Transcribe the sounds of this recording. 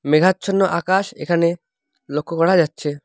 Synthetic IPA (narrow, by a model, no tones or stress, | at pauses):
meɡʱatːt͡ɕʰonːoʔakaʃḛkʰane | lokʰːokɔɾad͡ʑatːɕʰe